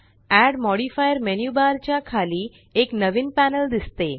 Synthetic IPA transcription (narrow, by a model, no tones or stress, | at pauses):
æɖmɔɽifajəɾmɛnjubaɾt͡ɕakʰali | eknəʋinpɛnəld̪ɪst̪e